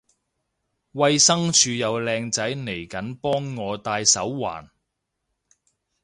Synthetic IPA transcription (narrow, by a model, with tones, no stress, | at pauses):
wɐ˧jsɐ˥ŋt͡ʃʰyː˨˧jɐ˨˧wlɛː˧ŋt͡sɐ˨˥jne˨˩jkɐ˨˥npɔː˥ŋːɔː˨˧t̪aː˧jsɐ˨˥wːa̰ː˨˩n